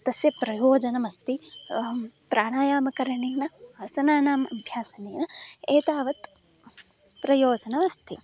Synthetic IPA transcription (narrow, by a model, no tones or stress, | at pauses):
t̪ɐsjɐpɾɐjoːd͡ʒɐnɐmɐst̪i | pɾaːɳaːjaːmɐkɐɾɐɳiːnɐɐsɐnaːnaːmɐmbʱjaːsɐniːnɐeːt̪aːʋɐt̪ | pɾɐjoːd͡ʒɐnɐmɐst̪ʰi